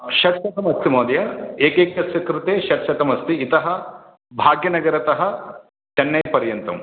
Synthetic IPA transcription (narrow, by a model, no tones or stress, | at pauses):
ʃɐʈʃʰɐt̪ɐmɐst̪imoːd̪jɐeːkeːkjɐsjɐkɾut̪eːʃɐʈʃʰɐt̪ɐmɐst̪iːt̪ɐɦɐ̆ | bʱaːɡjɐnɐɡɐɾɐt̪ɐɦɐ | t͡ʃ̪ɐnːɐjpɐɾjɐnt̪ɐm